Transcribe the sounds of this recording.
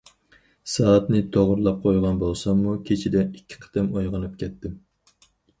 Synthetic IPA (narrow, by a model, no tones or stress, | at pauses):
sɑːɑt̪nɪt̪ʰoʁʊɾlˠɑp̚qʰojʁɑnbolˠsɑmːukʲʰet͡ʃʰid̪ɛikʲʰːi̥qʰə̥t̪ɨmojʁənɨp̚kʲʰɛt̪ːɪm